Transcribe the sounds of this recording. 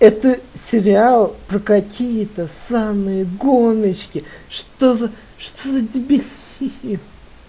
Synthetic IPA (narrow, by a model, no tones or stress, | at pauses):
ɛt̪əsʲɪɾʲɪalˠpɾəkɐkʲijət̪əsamɨjəɡonət͡ɕkʲɪʂt̪ozə | ʂt̪ozədʲɪbʲɪlʲ | is